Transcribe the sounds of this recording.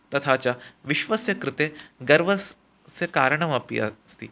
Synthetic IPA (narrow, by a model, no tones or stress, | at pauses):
t̪ɐt̪ʰat͡ɕjaʋiʃʋəsjɐkɾɪt̪eɡɐɾʋə | sekaːɾɳɐʋapḭɐ̰st̪ḭː